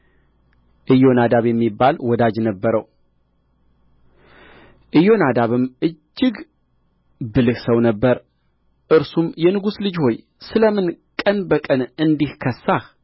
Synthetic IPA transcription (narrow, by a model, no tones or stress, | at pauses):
ʔɨjo̞nad̪aβjɛmːibːalwɔd̪ad͡ʒnəbːəɾəw | ʔɨjo̞nad̪aβɨmɨd͡ʒːɪɡ | bɨlɨhsəwnəbːəɾ | ʔɨɾsumjɛnɨɡuslɨd͡ʒho̞j | sɨləmɨnkʼənbəkʼənɨnd̪ihkʰəsːah